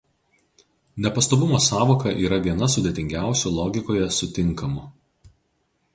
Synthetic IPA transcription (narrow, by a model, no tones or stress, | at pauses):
nʲɛpɐst̪oːbʊmoːsɑːʋoːkɐʔiːɾɐʋʲiɛnɐsʊd̪ʲet̪ʲɪŋʲɡʲæˑʊsʲuːlˠɔːɡʲɪkoːjɛsʊt̪ʲɪŋˑkɐmʊ